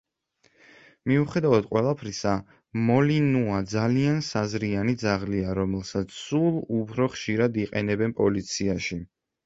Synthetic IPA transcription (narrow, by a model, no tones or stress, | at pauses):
miuχɛd̪avad̪̥qʼwɛlˠapʰɾisa | mɔlinuad̪zaliansazɾianid̪zaʁliaɾɔmɛlˠsat̪sʰsulˠupʰɾɔχʃiɾad̪iqʼɛnɛbɛnpʼɔlit̪sʰiaʃi